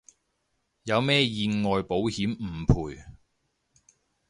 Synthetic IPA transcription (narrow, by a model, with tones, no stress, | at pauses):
jɐ˨˧wmɛː˥jiː˨˧nŋɔː˨jpo˨˥whiː˨˥mm̩˨˩pʰuː˨˩j